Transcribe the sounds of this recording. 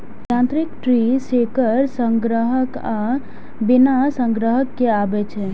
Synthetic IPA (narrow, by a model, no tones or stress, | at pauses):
ãnt̪ɾikʈɾisekəɾsə̃ŋɡɾəɦəka | binasə̃ŋɡɾəɦəkːeabɛt͡ʃʰɛ